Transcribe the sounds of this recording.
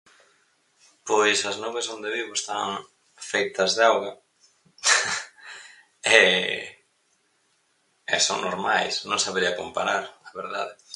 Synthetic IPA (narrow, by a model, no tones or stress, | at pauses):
pojsɐznuβesond̪eβiβoest̪aŋ | fejt̪ɐzðeawɣɐ | ɛ | ɛ̰so̰ŋnoɾmajsnõŋsaβeɾiɐkompaɾaɾaβeɾða̰ðɪ